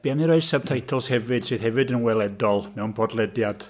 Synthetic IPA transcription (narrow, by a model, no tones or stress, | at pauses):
b̥iamniɾoɨsab̚tʰajtʰɔlˠshɛvɨd̥sɨːð̥hɛvɨdənwɛlˠɛdɔlˠmɛwnpʰɔdlˠɛdjad̥